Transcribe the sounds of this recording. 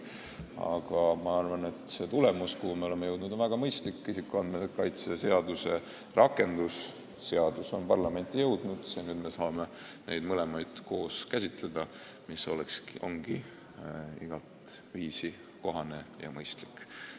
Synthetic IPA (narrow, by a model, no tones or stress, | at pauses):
ɑ̰ɡ̥ɑmɑɑrvɑne̞t̪se̞t̪ule̞muskuhumeo̞le̞mːejɤwd̪nud̪onvæɡ̥ɑmɤjst̪likˑːisikːˑuɑnd̪met̪ːˑekɑjt̪sese̞ɑd̪use̞ | rʔɑkːˑe̞nd̪usː | e̞ɑd̪̥uso̞npɑrlɑme̞nʲt̪ːˑijɤwd̪nud̪̥sened̪me̞sɑːme̞nʔe̞̰jd̪mɤle̞mɑjd̪̥ko̞ːskæsʲit̪ˑle̞d̪̥ɑ | miso̞leksʔo̞̰ŋɡ̥i | iɡ̥ɑlt̪viːsi | ko̞ɦɑne̞jɑ̰mɤjst̪likːˑ